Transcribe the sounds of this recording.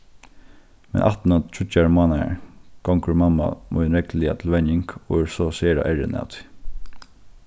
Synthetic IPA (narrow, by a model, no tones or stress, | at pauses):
mɛ̰nʔa̰ht̪nat̪ʰɹʏtːaɹmaːnaɹɡ̥ɔŋkəɹmamːa̰mɔ̰jnɾɛklɪat̪ʰɪlʋɛnɪŋkɔɛɹsɔseːɾa̰ʔɛɹɪ̰na̰t̪ʰi̥